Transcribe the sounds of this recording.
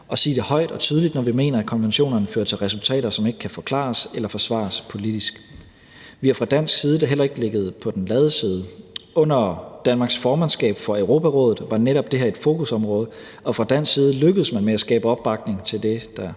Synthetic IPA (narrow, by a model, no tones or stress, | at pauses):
ʔɒ̽siːd̥e̝hɒ̽ɪ̰d̥ɒ̽t͡sʰyːðˠlid̥nɒʋime̝̰ːnɐækʰɒ̽nʋenɕo̝̰ːnɐnəfø̰ːɐt͡sʰe̝lʁɛsult͡sʰɛ̰ːɾɐsɒ̽me̝ɡ̥əkʰæfɒ̽kʰlɑ̰̈selɐfɒ̽sʋɑ̰̈spʰo̝lid̥isɡ̥ | ʋihæ̈fʁɑ̈d̥æn̰sɡ̥siːð̞ˠəd̥ɑ̈ɦel̰ɐe̝ɡ̥le̝ɡ̥əð̞̩ˠpʰɒ̽d̥enlɛːðˠsiːð̞ˠəʔɔ̽n̰ɐd̥ænmɑ̈ːɡ̥sfɒːmænsɡ̥ɛ̰ːb̥fɒeʊʁo̝ːpʰæʁɔ̽ːðð̩ˠʋɑ̈neɾɒ̽b̥d̥e̝ɦæɐe̝d̥fo̝ːkʰusɒ̽mʁɔ̽ːð̞ˠə | ɒ̽fʁɑ̈d̥æn̰ɡ̥siːð̞ˠəløɡ̥əð̞̩əsmænmeæsɡ̥ɛ̰ːb̥əɒ̽b̥ːɑ̈ɡ̥ne̝ŋt͡sʰe̝ld̥e̝d̥ɑ